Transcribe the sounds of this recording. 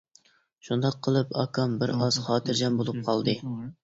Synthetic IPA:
ʃund̪ɑqʰːəlˠɨpɑ̰kʰɑmbɪɾɑz̥χɑːt̪ʰɨɾd͡ʒɛnbolˠup̚qʰɑlˠd̪ɨ

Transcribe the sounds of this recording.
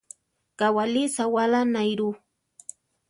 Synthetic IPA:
kawalisawalanajɾu

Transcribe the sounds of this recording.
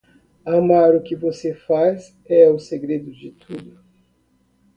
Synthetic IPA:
amaɾʊkɪvosefaz | ɛʊseɡɾed̪ʊd͡ʒɪt̪ʰud̪ʊ

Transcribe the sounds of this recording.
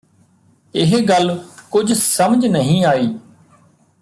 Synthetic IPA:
ɪɦɡəlkʊd͡ʒʱsəmd͡ʒʱnəɦĩːaːiː

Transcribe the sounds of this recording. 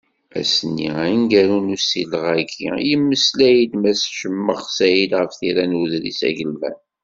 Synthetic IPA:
æ̰sənːiinɡæɾunusiləʁæɡḭjəmːəslæjid̪mæsʃəmːəʁsæjid̪ʁəfθiɾænuðɾḭsæ̰ʝəlmæ̰n

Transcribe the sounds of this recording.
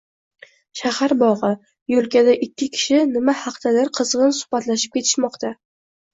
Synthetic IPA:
ʃahaɾbɒʁɨ | jolkʲad̪aʔɪkʲːɪkʲʰɪ̥ʃɪnɪmahɑqt̪alaɾqʰɨzʁɨnsʊ̥hbat̪laʃɪ̥p̚kʲʰe̞t̪ʰɪ̥ʃmɒqt̪ʰa

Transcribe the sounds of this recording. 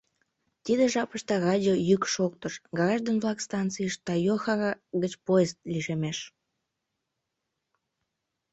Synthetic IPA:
t̪id̪eʒɑpəʃt̪ɑrɑdʲiojykʃokt̪əʃɡɑɑʒd̪ənβlɑkst̪ɑnt͡sijəʃt̪ɑjoxɑɡət͡ɕpoest̪liʃemeʃ

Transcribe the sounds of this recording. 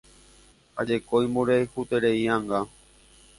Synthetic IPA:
ad͡ʒekojmoɾeehut̪eɾeiãŋɡa

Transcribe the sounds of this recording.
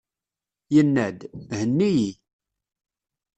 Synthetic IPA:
jənːæd̪hənːiji

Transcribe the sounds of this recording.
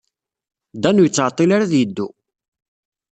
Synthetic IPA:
d̪ænujət͡sːʕət̪ˤːilaɾaðjəd̪ːu

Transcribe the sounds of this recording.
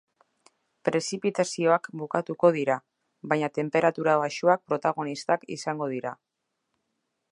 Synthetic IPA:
pɾe̞sipit̪asio̞akbukat̪uko̞ð̞iɾa | βajɲat̪e̞mpe̞ɾat̪uɾaβ̞aʃuak̚pɾo̞t̪aɣ̞o̞nist̪akḭsaŋɡo̞ðiɾa

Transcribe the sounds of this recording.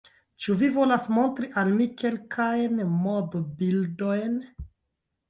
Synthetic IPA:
t͡ʃuvivo̞lasmo̞ntɾiʔalmike̞lkʰajnmodobildo̞jn

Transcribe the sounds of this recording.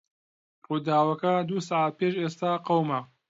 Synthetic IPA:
ruːd̪aːwɐkɐd̪uːsaʕat̪̚peːʃeːst̪aːqɐwmɐ

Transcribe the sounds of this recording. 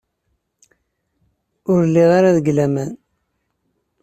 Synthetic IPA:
ʊɾlːiʁaɾaðəɡlæmæn

